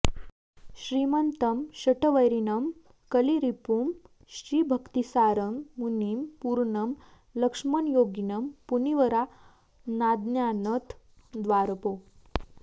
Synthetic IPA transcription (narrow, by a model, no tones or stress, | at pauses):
ɕɾimənt̪ɐmɕɐʈəʋəjɾinɐm | kəliɾipum | ɕɾiːbʱəkt̪isaɾəmːunimpuɾɳɐm | ləkʂmɐnjoːɡinəmpuniʋəɾa | nad̪njanət̪ʰ | d̪ʋaɾpo